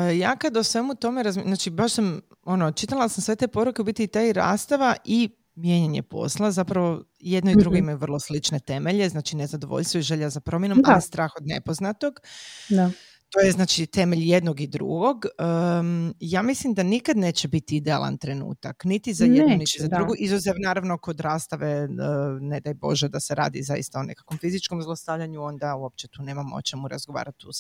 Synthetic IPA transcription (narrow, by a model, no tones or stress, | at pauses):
jaːkad̪osʋe̞mut̪o̞meɾazmznaːt͡ʃibaʃsam | onot͡ʃit̪alˠasamsʋe̞t̪e̞po̞ɾukeubit̪it̪aiɾa̰ːst̪aʋaʔi | mje̞ɲeɲe̞̰po̞̰slˠazapɾaʋo̞ | jed̪noid̪ɾuɡɡimajuʋr̩lˠo̞slit͡ʃne̞t̪e̞me̞ʎeznaːt͡ʃine̞zad̪o̞ʋo̰ʎʲst̪ʋoiʒe̞ʎazapɾo̞mjenoalist̪ɾaːxo̞d̪ne̞̰po̞znat̪o̞ɡ̪a | t̪o̞jeznaːt͡ʃit̪e̞meʎje̞d̪noɡid̪ɾṵɡo̞ɡə | jaːmislimd̪anikad̪ne̞ːt͡ɕebit̪iid̪ea̰lˠa̰nt̪ɾe̞nṵːt̪aknit̪izaeniʃt͡ʃezad̪ɾuɡuʔizuzeʋnaːɾaʋno̞ko̞d̪ɾaːst̪aʋe | ne̞d̪ajbo̞̰ʒed̪aseɾa̰ːd̪ḭza̰jḭst̪aone̞̰kḁkʋomfizit͡ʃko̞mzlˠost̪aʎaɲuo̞nd̪auo̞p̚t͡ʃet̪uːne̞ːmamo̰t͡ʃemuɾa̰zɡoʋa̰ːɾat̪us